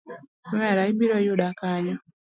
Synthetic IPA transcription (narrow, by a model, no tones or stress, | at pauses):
wɛɾaibiɾɔjudakaɲɔ